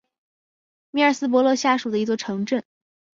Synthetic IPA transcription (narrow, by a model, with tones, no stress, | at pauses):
mi˥ə˞˨˩sɹ̩˥p̬wɔ˧˥lwɤ˥˧ɕja˥˩ʂu˨˩d̪ə˦i˧˥t͡swɔ˥˩ʈ͡ʂʰɤ˧˥ŋʈ͡ʂə˥˩n